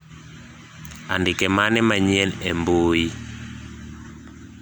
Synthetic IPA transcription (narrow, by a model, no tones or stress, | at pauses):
andɪkɛmanɪmaɲiɛlemboi